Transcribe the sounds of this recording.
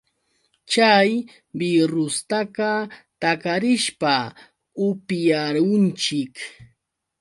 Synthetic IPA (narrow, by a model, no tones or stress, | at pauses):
t͡ʃaj | bɪɾʊst̪akɑt̪akaɾɪʃpa | ʊpjaɾʊnt͡ʃɪk